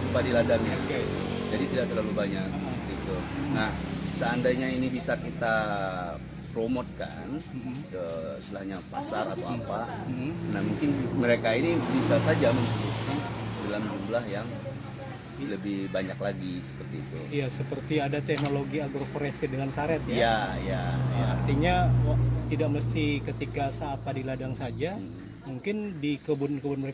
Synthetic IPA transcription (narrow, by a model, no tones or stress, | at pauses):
supadiladaŋ | d͡ʒadit̪idaʔ̚t̪ərlalubaɲakəpərt̪iːt̪unahsəandaɲainibisakit̪a | pɾomot̪̚ka̰n | əslahɲapa̰saɾa̰t̪aaapanahmuŋkɪnməɾekainibisasad͡ʒaməntoduksidalamd͡ʒumblahjaŋ | ləbɪhbaɲaklaɡisə̥pərt̪iːt̪ṵjasəpərt̪iadat̪ɛknoloɡiaɡɾofoɾɛsidəŋant̪aɾɛt̪̚jajaijaaart̪iɲat̪idak̚məst̪ɪhkət̪ikasaːt̪̚padiladaŋsad͡ʒa | muŋkɪndikəbʊnkəbʊnməɾe